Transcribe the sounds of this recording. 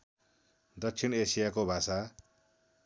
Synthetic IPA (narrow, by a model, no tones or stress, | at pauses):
d̪ʌksʰinesijakobʱasa